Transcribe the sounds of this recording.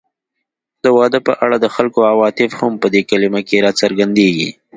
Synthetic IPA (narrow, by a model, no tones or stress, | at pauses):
d̪əwɑd̪əpəʔaɽad̪əxalkoawɑt̪ɪfhampəd̪ekalimakeɾɑt͡səɾɡand̪eɡḭ